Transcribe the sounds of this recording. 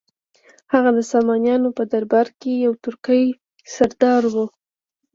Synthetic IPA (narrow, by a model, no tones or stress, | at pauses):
haɣad̪əsɑmɑnjɑnopəd̪aɾbaɾkejawt̪ʊɾkəj | saɾd̪ɑɾwu